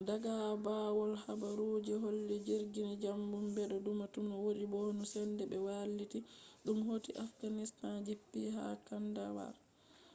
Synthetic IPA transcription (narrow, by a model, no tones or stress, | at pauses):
daɡabaːwɔlhabaɾud͡ʒɛɦolːid͡ʒiɾɡinid͡ʒambumbɛɗɔdumatumnɔwoɗibonusɛndɛbɛwalːitiɗumhotiʔafɡanistand͡ʒipːiha̰kandawa̰ɾ